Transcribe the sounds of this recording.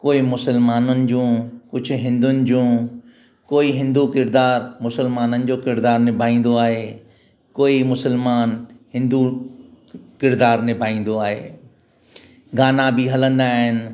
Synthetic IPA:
koːimʊsəlmaːnənɪ̆d͡ʑũːkʊd͡ʑʱʊ̆ɦɪ̃nd̪ʊnɪ̆d͡ʑũː | koːiɦɪ̃nd̪ukɪɾd̪aːɾmʊsəlmaːnənɪ̆d͡ʑoːkɪɾd̪aːɾnɪbʱaːĩːn̆d̪oaːɦeː | koːimʊsəlmaːnhɪ̃nd̪u | kɪɾd̪aːɾnɪbʱaːĩːn̆d̪oaːɦḛː | ɡaːnabɪɦɐlə̃nd̪aːɦɪnɪ̆

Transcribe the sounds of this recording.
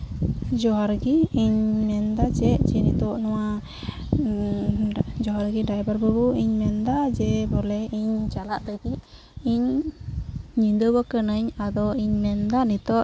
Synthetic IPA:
d͡ʒɔaɾɡiːɲmɛnd̪at͡ʃɛʔt͡ʃɛnit̪ɔʔnɔwa | d͡ʒɔaɾɡiɖajbaɾbɔbuiɲmɛnd̪ad͡ʒɛbɔlɛiɲt͡ʃalaʔd̪əɡiʔ | iɲ | ind̪əbɔkənaɲad̪ɔiɲmɛnd̪anit̪ɔʔ

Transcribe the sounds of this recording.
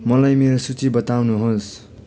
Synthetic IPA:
mʌlajmeɾosut͡sibʌt̪awnuɦos

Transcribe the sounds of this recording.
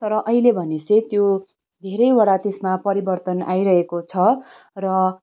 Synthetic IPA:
t̪ʌɾʌʔʌɦilebʱʌneset̪jo | d̪ʱeɾʌjwaɽat̪esmapʌɾibʌrt̪ʌnajɾʌɦekot͡sʰʌ | rʌ

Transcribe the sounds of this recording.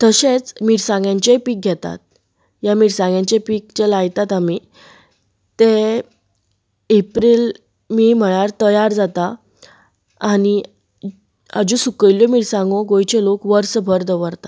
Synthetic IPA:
t̪əɕet͡smiɽsãŋɡjãɲt͡ɕepiːk̚ɡʱɛt̪a̰t̪̚ | jamiɽsãŋɡjãɲt͡ɕepiːkt͡ɕelajt̪at̪ami | t̪e | epɾil | miːm̤əɭ̃aɾt̪əjaɾd͡zat̪a | aɽ̃i | a̰d͡ʑũsukəljɔmiɽsãŋɡõɡojt͡ɕelokʋəɾsəbʱəɾd̪əʋəɾt̪a

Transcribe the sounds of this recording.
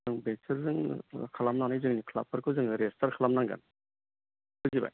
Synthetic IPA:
ɯŋbɛsʰɯɾzɯŋkʰalamnaŋnajzɯŋnikʰla̰pʰaɾkʰɯwzɯŋɾɛstʰaɾkʰalamnaŋɡa̰n | kʰɯziba̰j

